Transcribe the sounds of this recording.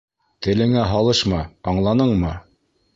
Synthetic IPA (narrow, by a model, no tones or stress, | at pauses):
t̪ɘ̆lɘ̆ŋæɦɑlˠɤʃmɑɑɴlˠɑnɤɴmɤ